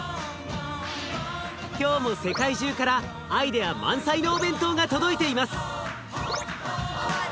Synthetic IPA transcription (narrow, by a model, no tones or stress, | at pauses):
kʲo̞ːmo̞se̞kaiʑɨːkaɾaː | id̪e̞jamã̰ɰ̃saino̞ːbẽ̞nt̪o̞ːɡat̪o̞d̪o̞it̪e̞imasɨ̥